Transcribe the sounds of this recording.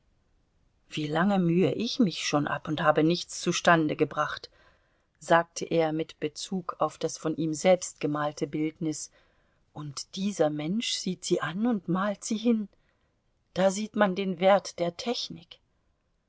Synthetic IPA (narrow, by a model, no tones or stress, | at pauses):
v̥iːlaŋəmyːəʔɪçmɪçʃoːnʔa̰pʊnthaːbənɪçt͡st͡suʃtandəɡəbʁaχt | z̥aːk̚tʰəʔeːɐmɪtb̥ət͡suːkʰaʊfd̥asfɔnʔiːmzɛlpstɡ̥əmaːltʰəbɪltnɪs | ʔʊntd̥iːzɐmɛnʃz̥iːtz̥iːʔanʊntmaːltz̥iːɦɪn | d̥aːziːtmandeːnveɐtd̥eːɐtʰɛçnɪk